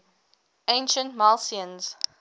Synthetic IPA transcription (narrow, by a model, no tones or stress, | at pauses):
ẽɪ̃nʃə̃ntmalˠsiə̃nz̥